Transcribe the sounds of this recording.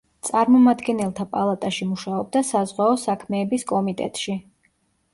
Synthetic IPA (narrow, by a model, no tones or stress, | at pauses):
t̪sʼaɾmɔmad̪ɡɛnɛlˠt̪ʰapʼalˠat̪ʼaʃimuʃaɔb̚d̪asazʁwaɔsakʰmɛːbiskʼɔmit̪ʼɛ̰t̪ʼʃi